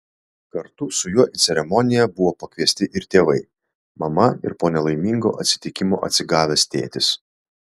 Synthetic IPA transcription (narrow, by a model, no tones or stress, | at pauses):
kɐɾt̪ʊsʊjuɔʔɪt̪sʲɛɾʲɛmɔnʲɪjɛbʊʋoːpɐkʲʋʲiɛsʲt̪ʲɪʔɪɾt̪ʲeːʋɐɪ | mɐmɐɪ̰ɾpoːnʲɛlˠɐɪmʲiŋɡo̰ːʔɐt̪ʲsʲɪ̥t̪ʲɪkʲɪmoːʔɐ̰t̪ʲsʲɪɡɑːʋʲeːst̪ʲḛːt̪ʲɪs